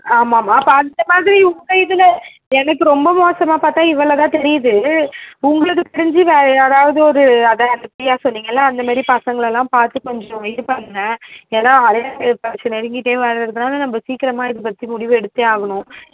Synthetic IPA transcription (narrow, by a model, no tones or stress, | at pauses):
aːmaːmaːpːɐɐnd̪ɐmaːðɪɾiʊŋɡɐɪðɯlɐ | ɛnɐkːɯɾɔmbɐmoːsɐmaːpaːɾt̪ãːɪʋːɐɭːɐt̪ãːt̪ɛɾɪjɐðɯ | ʊŋɡɐɭɯkːɯkɪɽɐɲd͡ʒiʋeːɾɐðaːʋɐðɯɔɾɯɐðɐɐnd̪ɐpɪɽɪjaːsɔnːiːŋɡɐɪlːɐːnd̪ɐmaːd̪ɾipɐsɐŋɡɐɭɛlːãːpaːɾt̪ɯkɔɲd͡ʒɐ̃ʋɐjɪɾɯpɐnnɐeːnãːɐɾeːpɐt͡ʃɐnɛɾɪŋɡɪʈːeːʋɛːɾɐɪɾɯkːɯnaːlɐnɐmbɐsiːkːɪɾɐmaːɪðɯpɐt̪ːimʊɽɪʋɯɛɽɯt̪ːɯaːɣɐnʊ̃